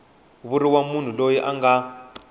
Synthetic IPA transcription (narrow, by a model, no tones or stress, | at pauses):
βuɾiwamun̤ulojiʔaŋa